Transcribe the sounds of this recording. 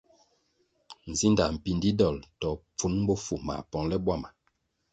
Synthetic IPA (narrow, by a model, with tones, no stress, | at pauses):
n̩˨zi˦nda˨m̩˨pi˦n˨di˦dɔ˦˨ltɔ˨p͡fu˦n˦bo˦fu˨ma̰˨pɔ˨ŋlɛ˦bwa˦˨ma˨